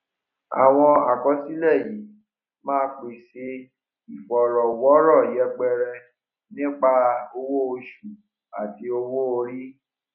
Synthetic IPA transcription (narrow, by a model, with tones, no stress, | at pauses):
a̰˨w̃ɔ̃˧a˨ɡɔ˨˦si˦lɛ˦˨ji˨˦ | mãː˦˧k͡pi˨se˧˦ | i˨fɔ˨ɾɔ˨wɔ˨˦ɾɔ˦˨jɛ˧˦ɡ͡bɛ˧ɾɛ˧ | nĩ˦k͡pa˧o˧wo˦o˧ʃu˨ | a̰˨ti˧o˧wo˦o˧ɾi˦